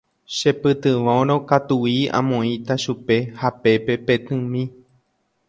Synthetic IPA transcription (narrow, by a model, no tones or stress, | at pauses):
ʃepɨt̪ɨʋõɾ̃õ̞kat̪uiã̰mõĩt̪aʃupe̞hape̞pe̞pe̞t̪ɨ̃mĩ